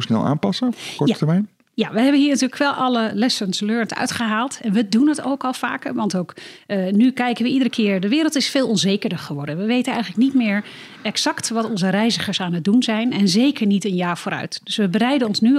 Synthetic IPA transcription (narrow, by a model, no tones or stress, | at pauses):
snɛ̰lˠʔa̰ːnpɑsəkɔtəɹmɛjn | jaʋəɦɛbənɦiːɹnatyːɹləkʋɛlˠʔɑləlɛsənsløːɹntœ̰ɥtχəɦaːlˠtɛnʋədunəto̰wkɑlˠfa̰ːkəɹʋɑntowknykɛjkənʋəidərəkʰɪːɹdəʋɪːɾəlˠtɪsfeːlˠɔnzejkərəɹχəʋɔɹdənʋəʋejtənɛjχələknitmɪːɹ | ɛksɑktʋɑtɔnzərɛjzəχəɹsaːnəd̚dunzɛjnɛnzejkəɹnitənjaːɹv̥oːɾœ̰ɥtdɵsʋəbərɛjdənɔnsny